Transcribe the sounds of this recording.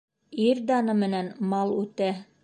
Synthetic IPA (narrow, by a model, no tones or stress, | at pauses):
iɾd̪ɑnɤmɘ̆nænmɑlˠʉt̪æ